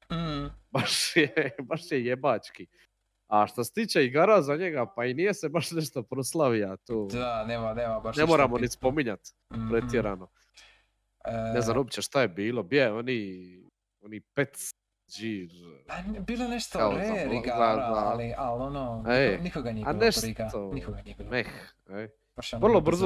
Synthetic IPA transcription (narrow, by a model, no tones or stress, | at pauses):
m̩hbaʃjebaʃjejebat͡ʃki | aʃt̪aset̪iːt͡ʃeiɡaːɾazaɲeɡapainijese̞baʃneʃt̪opɾoslˠaʋiat̪oːd̪anemaneːmabaʃnemoːɾamonispo̞miɲat̪ | pɾet̪jeɾano̞ | neznanobit͡ɕeʃt̪ajebiːlobjeoni | onipet̪ | d͡ʒiːɾabiːloneʃt̪okaozaiɡaaaialonoenikoɡananeʃt̪onikoɡmex | e | ʋr̩lˠobr̩zo